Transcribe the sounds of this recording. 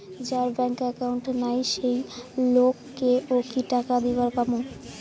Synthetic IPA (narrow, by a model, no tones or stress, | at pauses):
d͡ʑaɾbɛŋkɛkawɳʈnajʃejlokːeokiʈakad̪ibaɾpamo